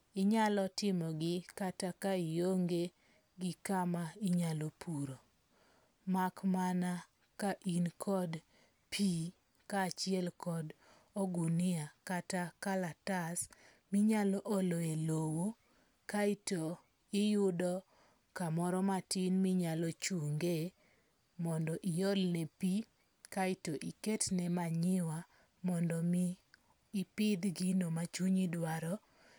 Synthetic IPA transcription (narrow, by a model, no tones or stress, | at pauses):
ɪɲalɔtɪmɔɡɪkatakaijoŋɡe | ɡɪkamaɪɲalɔpuɾo | makmana | kaʔinkʰɔd | pʰi | kaːt͡ʃɪɛlkɔd | ɔɡunɪakatakalatas | miɲalɔʔoloelowo | kaito | ɪjʊdɔ | kamɔɾɔmatinmiɲalɔt͡ʃuŋɡe | mɔndɔʔijɔlnɛpi | kaitoʔiketnɛmaɲɪwa | mɔndɔmiː | pɪd̪ɡinomat͡ʃuɲidwaɾɔ